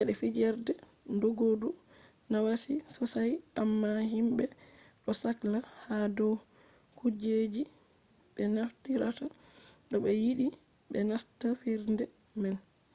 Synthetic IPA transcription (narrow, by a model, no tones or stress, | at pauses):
ʔɛɗɛfid͡ʒɛɾdɛ | ndoɡodu | nawasisɔsajamːaɦimbɛ | ɗɔsaklahadɔw | kud͡ʒed͡ʒi | ɓɛnaftiɾata | ɗɔɓɛjiɗi | ɓɛnastafiɾndɛ | mɛn